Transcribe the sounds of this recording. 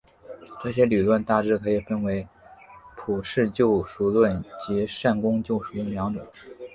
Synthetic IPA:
ʈ͡ʂɤ˥˩ɕjɛ˥ly˨˩lwə˥˧nt̪a˥˩ʈ͡ʂɻ̩˥˩kʰɤ˧˥i˨˩fə˥˧˩nwe˧˥ɪpʰu˨˩ʂɻ̩˥˧t͡ɕjo˥˧ʊʂu˧˥lwə˥˩nt͡ɕi˧˥ʂa˥˩nkʊ˥ŋt͡ɕjo˥˩ʊʂu˨˩d̪ə˧mjɑ˧˥ŋʈ͡ʂwə˨˩˦

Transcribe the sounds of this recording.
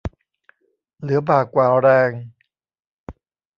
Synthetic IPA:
lɯ˩˦ɐbaː˨˩kːwaː˨˩wɾɛː˧ŋ

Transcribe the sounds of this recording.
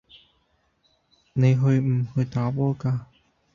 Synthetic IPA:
ne˨˧jɦɵ˧ɥm̩˨˩hɵ˧ɥt̪aː˨˥pɔː˥kaː˧

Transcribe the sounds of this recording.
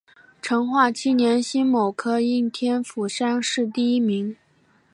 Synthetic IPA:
ʈ͡ʂʰɤ˧˥ŋxwa˥˩t͡ɕʰi˥˩njɛ˧˥nɕi˥nmo˨˩ʊkʰɤ˥i˥˩nt̪ʰjɛ˥nfu˨˩ʂa˥nʂɻ̩˥˧t̪i˥˩i˥mi˧˥ŋ

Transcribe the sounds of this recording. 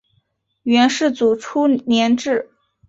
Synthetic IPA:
ɥɛ˧˥nʂɻ̩˥˩t͡su˨˩ʈ͡ʂʰu˥njɛ˧˥nʈ͡ʂɻ̩˥˩

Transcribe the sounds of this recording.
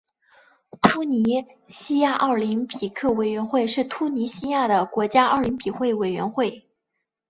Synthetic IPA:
t̪ʰu˥ni˧˥ɕi˥ja˥˧ʔɑ˥˩li˧˥npʰi˨˩kʰɤ˥˩we˨˩ɪɥɛ˧˥nxwe˥˧ɪʂɻ̩˥˩t̪ʰu˥ni˧˥ɕi˥ja˥˩d̪ə˩kwɔ˧˥t͡ɕja˥ɑ̰˥˩li˧˥npʰi˨˩xwe˥˩ɪwe˨˩ɪɥɛ̰˧˥nxwe˥˩ɪ

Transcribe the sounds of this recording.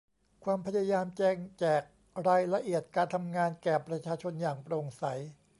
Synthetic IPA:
kʰwaː˧mpʰa˧˥ja˧jaː˧mt͡ɕɛː˧ŋt͡ɕɛː˨˩k̚ | ɾaː˧jla˧ʔi˨˩ət̪̚kaː˧nt̪ʰa˧mŋaː˧nkɛː˨˩pɾa˧˥t͡ɕʰaː˧t͡ɕʰo˧njaː˨˩ŋpɾoː˧ŋsa˩˦j

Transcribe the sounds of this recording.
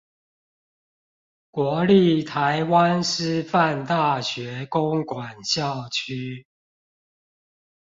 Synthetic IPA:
kwɔ˨˦li˥˨t̪ʰa˨˦ɪwa˦nʂɻ̩˥˨fa˥˨nt̪a˥˨ɕɥɛ˨˦ko˦ŋkwa˨˩nɕjɑ˥˨ʊt͡ɕʰy˦

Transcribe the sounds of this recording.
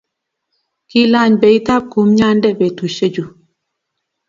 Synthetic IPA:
ki˦la˦˨ɲbe˨i˦ta˦˨p̚ku˨˦mɲa˦ndɛ˦bɛ˨tu˨ʃe˦d͡ʒu˨

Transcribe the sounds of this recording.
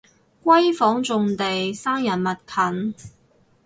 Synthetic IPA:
kʷwɐ˥jfɔː˨˥ŋt͡sʊ˨ŋt̪e˨jsaː˥ŋjɐ˨˩nmɐ˨t̚kʰɐ˨˥n

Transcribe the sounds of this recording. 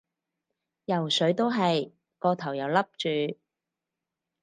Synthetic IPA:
jɐ˨˩wsɵ˨˥ɥt̪o˥wɦɐ˨j | kɔː˧t̪ʰɐ˨˩wjɐ˨˩wlɐ˥p̚t͡ʃyː˨

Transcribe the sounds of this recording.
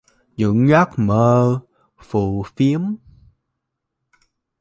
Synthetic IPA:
zɨ̰˧˥ŋɣa˦˥k̚məː˧ | fu˧˩fi˨˦əm

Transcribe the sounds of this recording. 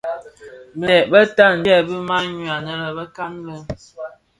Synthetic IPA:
bə˨ɛ˨bə˦ta˦˨n̩˨dɛ˦˨bə˦ma˦ɲu˨a˨nə˦ɾə˨bə˦ka˦nlə˦

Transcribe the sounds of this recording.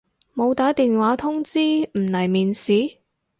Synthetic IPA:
mo˨˧wt̪aː˨˥t̪iː˨nwaː˨˥t̪ʰʊ˥ŋt͡siː˥m̩˨˩nɐ˨˩jmiː˨nsiː˨˥

